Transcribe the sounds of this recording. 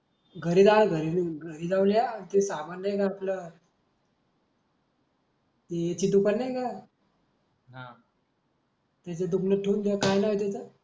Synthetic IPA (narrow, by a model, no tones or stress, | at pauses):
ɡʱəɾid͡zalɡʱəɾinɡʱəɾiːd͡zawljat̪isaməɾnəjkaːplə | t̪iet͡ɕiːd̪upəlnajka | ɦã | t̪at͡ɕed̪upləʈʰuːnd̪akajnaɦit̪at͡sə